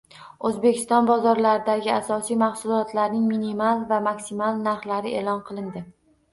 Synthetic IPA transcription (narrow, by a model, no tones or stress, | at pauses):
ɵzbe̞kʲʰɪ̥st̪ɒnbɒzɒɾlaɾɪd̪aɡʲɪasɒsijmaχsʊlˠɒt̪laɾnɪŋminimalˠvamakʲsimalˠnaɾχlaɾɪʔelˠɒnqʰɨlˠɪnd̪ɪ